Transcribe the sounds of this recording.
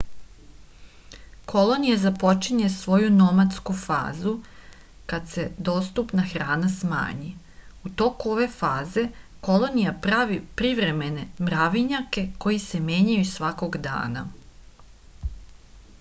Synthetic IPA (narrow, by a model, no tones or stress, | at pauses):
kʰo̞lˠo̞nijazapo̞t͡ʃiɲe̞sʋo̞junomat̪skufa̰ːzu | kad̪se̞d̪o̞ːst̪upnaxɾaːnasma̰ːɲi | ut̪o̞kuo̞ʋe̞faːze̞ | ko̞lˠo̞nijapɾaʋipɾiʋɾe̞me̞ne̞mɾaʋiɲake̞ko̞jise̞mje̞ɲajusʋako̞ɡd̪a̰ːna̰